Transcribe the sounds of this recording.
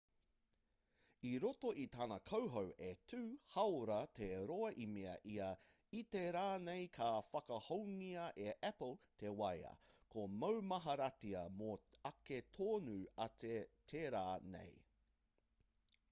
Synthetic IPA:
iɾotoʔit̪aːnɐkʰɐwɦowʔetʰʉːhɐwɾɐtʰeɾoɐʔimeɐ̰ʔiɐ | iteɾaːnejkʰaːfɐkɐhowŋiɐʔeʔɛpəlˠt̪ʰewɐjɐ̰kʰomɐwmɐɦɐɾɐtiɐmoɐketʰoːnuɐtʰetʰeːɾaːnḛj

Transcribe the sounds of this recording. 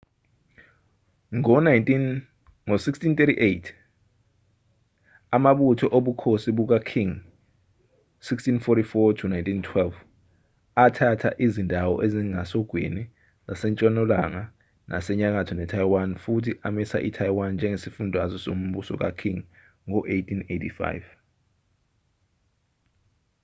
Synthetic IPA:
ŋɔn | ŋosikstint̪etiʔejtʰ | amaɓutʰɔʔoɓukʰosiɓuk̬akʰiŋ | sikstinfotifɔtʰunajntʰʼintʰwɛlv | atʰatʰaʔizindʱawɔ̰ʔeziŋasɔɡ̥ʱwḭni | zasɛnt͡ʃʼɔnɔlaŋa | nʔa̰sɛɲak̬atʰɔnɛtʰajwanfutʰiʔamisa̰ʔḭtʰajwand͡ʒʱɛŋesifundʱwazɔsom̩ɓusɔ̰k̬a̰kʰiŋ | ŋɔʔejtʰinejtʰifa̰jv

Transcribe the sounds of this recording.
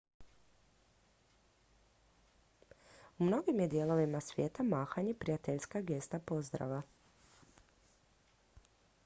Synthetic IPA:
umno̞ɡimjed̪jeːlˠo̞ʋimasʋje̞ːt̪amaːxaɲepɾijat̪eʎskaɡe̞st̪apo̞zd̪ɾa̰ʋa

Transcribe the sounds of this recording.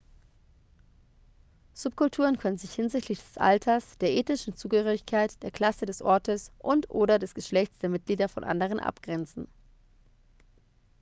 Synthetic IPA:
z̥ʊpkʰʊltʰuːʁ̞ənkʰœnənzɪçhɪnzɪçtʰlɪçd̥ɛsʔa̰ltʰɐsd̥eːɐʔeːtnɪʃn̩t͡suːɡəhøːʁɪçkʰaɪtd̥eːɐkʰl̥asədɛsʔɔɐtəsʔʊntʔoːdɐdɛsɡ̥əʃlɛçt͡sd̥eːɐmɪt̚ɡ̥liːdɐfɔ̰nʔa̰ndəʁ̞ənʔa̰pɡ̥ʁɛnt͡sn̩

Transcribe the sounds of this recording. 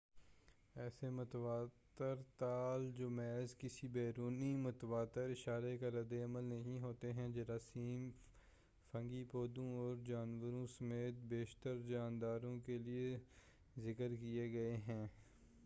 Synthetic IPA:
ɛːsemʊt̪waːt̪əɾt̪aːld͡ʒomɛːzkɪsibɛːɾuːnimʊt̪ʋaːt̪əɾɪʃaːɾekaɾɐd̪eɐməlnɐɦĩɦoːt̪eɦɛ̃d͡ʒɐɾaːsiːm | fɐ̃ŋɡipoːd̪õɔːɾd͡ʒaːnʋəɾõsəmeːt̪̚beːʃt̪əɾd͡ʒaːnd̪aːɾõkelie | zɪkəɾkieɡɐeɦɛ̃ː

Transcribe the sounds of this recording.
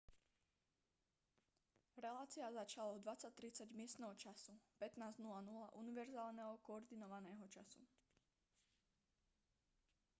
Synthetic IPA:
ɾɛlaːt͡siazat͡ʃalaɔd̪ʋat͡sːac̚t̪ɾit͡saɟmɪɛst̪nɛːɦɔt͡ʃasupɛt̪naːznulanulaʔuniʋɛɾzaːlnɛɦɔkɔɔɾd̪inɔʋanɛːɦɔt͡ʃasṵ

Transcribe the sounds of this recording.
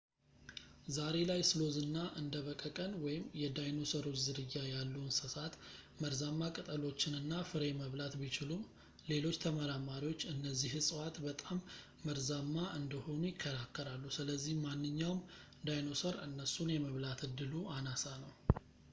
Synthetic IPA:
zaɾe̞lajsɨlo̞zɨnːaʔɨnd̪əβəkʼəkʼənwɔjɪmjɛd̪ajno̞səɾo̞t͡ʃzɨɾɨjːajalːunsɨsat̪məɾzamːakʼɨt̪ʼəlo̞t͡ʃːɪnɨnːafɨɾe̞məβlat̪bit͡ʃɪlum | le̞lo̞t͡ʃːt̪ʰəməɾamaɾiwo̞t͡ʃːɨnːəzːihɨsʼɨwat̪bət̪ʼamː | əɾzamːaʔɨnd̪əho̞nujɪkʰːəɾakʰːəɾalːusɨləzːihmanːɨɲːawm | d̪ajno̞səɾɨnːəsunjɛməβlat̪ɨd̪ːɨluʔanasanəw

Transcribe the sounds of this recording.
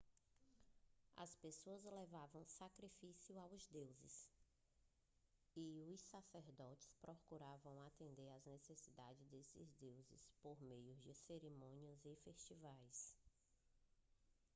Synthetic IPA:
ɐ̰spesoɐzlɛvavɐ̃w̃sakɾifisiʊawzd̪ewzɪ̰s | ɪʊsaseɾd̪ɔt͡ʃɪ̥spɾɔkuɾavɐ̃w̃at̪ẽnd̪eɾɐznesesid̪ad͡ʒɪzd̪esɪzd̪ewzɪ̰spoɾmejʊzd͡ʒɪseɾimõniʊzɪfeʃt͡ʃivajs

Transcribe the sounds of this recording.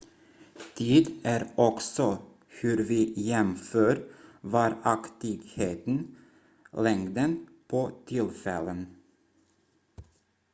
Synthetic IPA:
t̪ʰiːd̪ʔæːɾɔksɔ | hʉɾʋiːjɛmføːɾʋɑɾɑkt̪ɪɡheːt̪n | lɛŋd̪ənpʰoːt̪ʰɪlfɛlən

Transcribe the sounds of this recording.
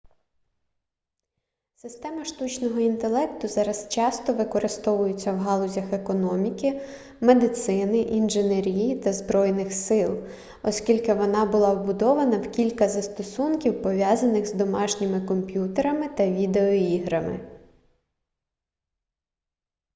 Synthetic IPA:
sɪst̪ɛmɐʃt̪ut͡ʃnɔɦɔint̪e̞lˠɛkt̪ʊzɑɾɐst͡ʃɑst̪ɔʋɪkɔɾʔɪst̪ɔʋʊjʊt͡sʲːɐwɦɑlˠɔzʲɐxe̞kɔnɔmʲikɪ | me̞d̪ɪt̪sɪnɪʔinʒɪneɾʲijit̪ɐzbɾɔjnɪxsɪlˠ | ɔskʲilʲkɪʋɔnɑbʊlˠɑʋbʊd̪ɔʋɐnɐwkʲilʲkɐzɐst̪ɔsunkʲiwpɔʋʲjɑzɐnɪxzd̪ɔmɑʃnʲɪmɪkɔmpʲjut̪eɾɐmɪt̪ɐʋʲid̪eɔiɦɾɐmɪ̰

